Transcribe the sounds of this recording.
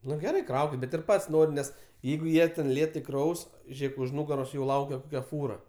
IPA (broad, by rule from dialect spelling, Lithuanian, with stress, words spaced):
ˈnʊ ɡʲɛˈrɐɪ ˈkrɐʊkʲɪt bʲɛt ɪr ˈpɐtʲsʲ ˈnoːrʲɪm ˈnʲɛs ˈjɛɪɡʊ ˈjiɛ tʲɛn ˈlʲeːtɐɪ ˈkrɐʊs ˈʒʲeːk ʊʃ ˈnʊɡɐroːs jɛʊ ˈlˠɐʊkʲɛ ˈkoːkʲɛ ˈfuːrɐ